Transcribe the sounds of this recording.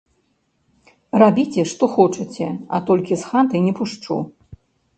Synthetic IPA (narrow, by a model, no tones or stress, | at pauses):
rabʲit͡sʲɛʂt̪ɔxɔt͡ʂɐt͡sʲɛa̰t̪ɔlʲkʲisxant̪ɐjnʲɛpuʂt͡ʂṵ